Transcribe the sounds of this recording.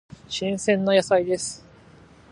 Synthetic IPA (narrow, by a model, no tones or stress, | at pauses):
ɕĩɰ̃sẽ̞nːo̞jasaid̪e̞sɨ̥